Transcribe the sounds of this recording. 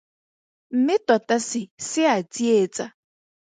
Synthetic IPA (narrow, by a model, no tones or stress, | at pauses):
m̩mɪtɔtasɪsɪadied͡za